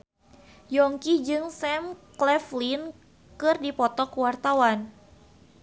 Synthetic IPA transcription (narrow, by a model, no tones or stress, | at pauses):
jɔŋkid͡ʒɨŋsɛmklɛflin | kɨrdipɔt̪ɔkəwart̪awan